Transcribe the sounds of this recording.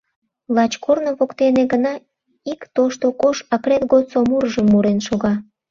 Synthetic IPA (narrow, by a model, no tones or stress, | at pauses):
lɑt͡ɕkʰornoβokt̪eneɡənɑ | ikt̪oʃt̪okoʃɑkret̪ɣot̪somuɾəʒəmːuɾenʃoɣɑ